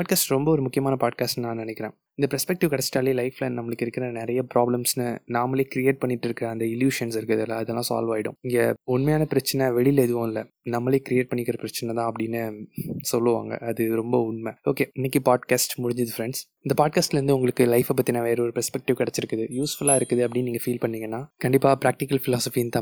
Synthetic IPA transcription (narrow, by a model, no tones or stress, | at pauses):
aːɖkaːsʈɾɔmbɐɔɾɯmʊkːɪjɐmaːnɐpaːɖ̚kaːsʈnaːnɐnɛkːɪɾẽː | ɪnd̪ɐpɾɛspɛk̚ʈɪʋkɐɽɛt͡ʃːɪ̥ʈaːleːlɐɪflɐnɐmːɐɭɯkːɪɾɯkːɪɾɐnɪɾɐjɐpɾaːblɐmsnɯnaːmɐleːkɪɾɪjeːʈ̚pɐɳːɪʈːɪɾɯkːɪɾɐːnd̪ɐɪljuːʂɐnsɪɾɯkːɐðɪlːaɐðɛlːãːsa̰ːlʋaːjɪɽʊ̰̃ɪŋɡɐʊɳmɐjaːnɐpɪɾɐt͡ʃːɐnɛʋɛɭɪlɛðɯʋõːɪlːɐ | nɐmːɐleːkɾɪeːʈ̚pɐɳːɪkːɪɾɐpɪɾɐt͡ʃːɐnɛt̪ãːɐpːɐɽɪnːɯsɔlːɯʋa̰ːŋɡɐ̰ɐðɯɾɔmbɐʊɳmeo̰ːkeːɪnːɛk̬ːipaːɖkaːsʈmʊɽɪɲd͡ʒɐðɯfɾɛɳɖsɪnd̪ɐpaːɖ̚kaːsʈlɐɾɯnd̪ɯʊŋɡɐɭɯkːɯlɐɪfɐp̬ːɐt̪ːinãːʋeːɾɐɔɾɯpɛɾspɛk̚ʈɪʋkɐɽɛt͡ʃːɪɾɯkːɐðɯjuːsfʊlaːɪɾɯkːɯðɯɐpːɐɽɪnːniːŋɡɐfiːlpɐɳːiːŋɡɐnːaːkɐɳɖɪpːaːpɪɾaːk̚ʈɪkɐlfɪlaːsɔfint̪ãː